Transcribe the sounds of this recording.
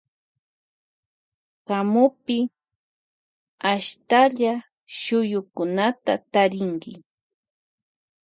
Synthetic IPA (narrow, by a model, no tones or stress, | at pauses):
ɢamʊpɪ | aʃt̪aʎa | ʃʊjʊkʊnat̪a̰t̪aɾɪŋkɪ